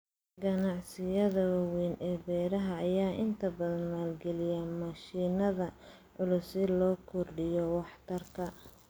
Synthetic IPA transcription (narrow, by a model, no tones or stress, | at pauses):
ɡɐnɑʕsɪjɐðɐwɑwiːnʔɛːbɛːɾɐɦɐːjaːʔɪnt̪ʰɐbɐðɐnmaːlɡɛlɪjɛmɐʃiːnɐðɐ | ʕʊlʊsɪlɔːkʰʊrɖɪjɔwɑħt̪ʰɐrkʰɐ